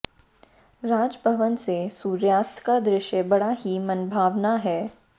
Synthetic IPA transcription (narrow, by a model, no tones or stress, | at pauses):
ɾaːd͡ʒbʱəʋənsesuːɾjaːst̪ʰkad̪ɾɪʃjəbɐɽaɦimɐnbʱaːʋnaɦɛː